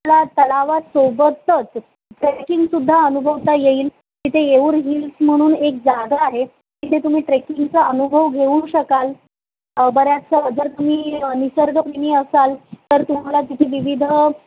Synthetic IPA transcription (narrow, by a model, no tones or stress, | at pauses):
lat̪əlaʋasobət̪ːət͡s | ʈɾekiŋɡsud̪ʱːaənubʱəʋt̪ajeiːl | kiːt̪eeuːɾɦilsm̤əɽ̃uːnek̚d͡zaɡ̪aːɦe | kiːt̪ʰet̪um̤iːʈɾekiŋɡt͡saənubʱəʋɡʱeuɕəkal | bəɾjat͡səɦəd͡zəɾt̪um̤iːnisəɾɡəpɾemiːəsalt̪əɾt̪um̤alat̪it̪ʰiːʋiʋid̪ʱ